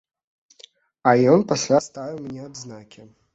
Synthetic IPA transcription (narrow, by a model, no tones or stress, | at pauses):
ɐjɔnpɐsʲlʲast̪avʲɛwmʲnʲɛɐd̪znakʲi